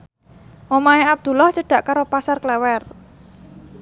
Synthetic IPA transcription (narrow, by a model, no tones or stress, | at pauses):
mɔmaeab̚d̪̥ṳlɔht͡ʃəɖ̥ä̤ʔkaɾopasarklɛwɛr